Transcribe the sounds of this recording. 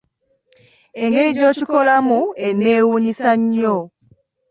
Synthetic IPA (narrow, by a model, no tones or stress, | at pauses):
eŋɡeɾiɾjoːcikolamueneːwuɲisaɲːo